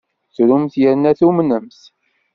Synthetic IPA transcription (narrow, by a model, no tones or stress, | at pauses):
θɾumθjəɾnæθumnəmθ